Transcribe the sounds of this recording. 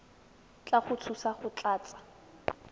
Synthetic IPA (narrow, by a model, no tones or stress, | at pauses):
t͡ɬaχʊt͡sʰusaχʊt͡ɬʼaːt͡sʼḁ